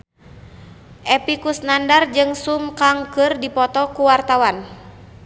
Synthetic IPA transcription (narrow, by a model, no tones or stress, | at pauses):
ʔɛpikusnandard͡ʒɨŋsumkaŋkɨrdipɔt̪ɔkuwart̪awan